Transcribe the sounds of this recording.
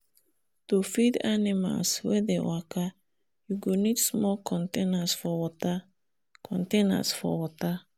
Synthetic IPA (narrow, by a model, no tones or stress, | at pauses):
tofidanima̰lswɛdewakʰa | juɡonidsmɔkʰɔ̃ntenasfɔwɔta | kʰɔ̃ntẽna̰sfɔ̰wɔta